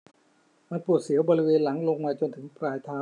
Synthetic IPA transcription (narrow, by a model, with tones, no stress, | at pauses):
ma˧npu˨˩ət̪̚si˩˦ɐwbɔː˧ɾi˦˥weː˧nla˩˦ŋlo˧ŋmaː˧t͡ɕo˧nt̪ʰɯ˩˦ŋpɾaː˧jt̪ʰaː˦˥